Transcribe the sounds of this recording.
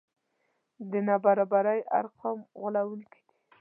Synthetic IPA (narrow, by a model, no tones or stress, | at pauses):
d̪ənabaɾɑbaɾaja̰ɾqʰɑmɣʊlawuŋki̥d̪i̥